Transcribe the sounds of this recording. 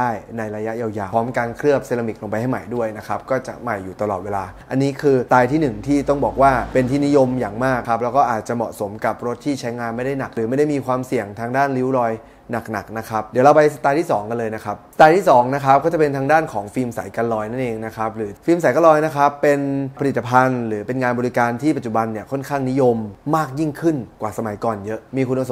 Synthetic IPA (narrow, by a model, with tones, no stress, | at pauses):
aː˥˩jna˧jɾa˧ja˦˥ʔjaː˧wjaː˨˩ɔː˦˥mkaː˧nkʰɾɯ˥˩əp̚se˧la˧mi˨˩k̚lo˧mpa˧jha˥˩jma˨˩jdu˥˩əjna˦˥kʰa˦˥p̚kɔː˥˩t͡ɕa̰˨˩ma˨˩jːuː˨˩t̪a˧lɔː˨˩t̪̚weː˧laː˧ʔa˧nːiː˦˥kʰɯː˧t̪aː˧jt̪ʰiː˥˩nɯ˨˩ŋt̪ʰiː˥˩t̪ɔ˥˩ŋbɔː˨˩k̚waː˥˩pe˧nt̪ʰiː˥˩ni˦˥jo˧mjaː˨˩ŋmaː˥˩kʰːa˦˥p̚lɛ˦˥wkɔː˥˩ʔaː˨˩t̪̚t͡ɕa˨˩mɔ̰˨˩ʔso˩˦mka˨˩p̚ɾo˦˥t̪ʰːiː˥˩t͡ɕʰa˦˥jŋaː˧nma˥˩jda˥˩jna˨˩k̚ɾɯː˩˦ma˥˩jda˥˩jmː˧kʰwaː˧msi˨˩əŋt̪ʰaː˧ŋdaː˥˩nli˦˥wɾɔː˧j | na˨˩k̚na̰˨˩k̚na˦˥kʰa˦˥p̚di˩˦la˧wpa˧jsa˧t̪aː˧jt̪ʰiː˥˩sɔː˩˦ŋka˧nlɤː˧jna˦˥kʰa˦˥p̚sḁ˧t̪aː˧jt̪ʰiː˥˩sɔː˩˦ŋna˦˥kʰa˦˥p̚kɔː˥˩t͡ɕa˨˩pe˧nt̪ʰaː˧ŋdaː˥˩nkʰɔː˩˦ŋfiː˧msa̰˩˦jka˧nlɔː˧jna˥˩nʔeː˧ŋna˦˥kʰa˦˥p̚ɾɯː˩˦fiː˧msa˨˦ka˧lɔː˧jna˦˥kʰa˦˥pːe˧npʰa˧liː˨˩a˧pʰa˧nɾɯː˩˦pe˧nŋaː˧nbɔː˧ɾi˧kaː˧nt̪ʰiː˥˩pa˨˩t͡ɕu˨˩ba˧nːi˥˩ɐkʰɔ˥˩nkʰaː˥˩ŋni˦˥jo˧mːaː˥˩k̚ji˥˩ŋkʰɯ˥˩nkwaː˨˩sa˧ma˩˦jkɔː˨˩njɤ˦˥ʔmiː˧kʰu˧na˧so˩˦